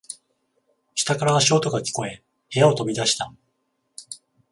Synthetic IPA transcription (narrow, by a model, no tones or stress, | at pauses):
ɕɨ̥t̪akaɾaːɕo̞ːt̪o̞ɡakʲi̥ko̞e̞ | he̞jao̞t̪o̞bʲid̪aɕi̥t̪a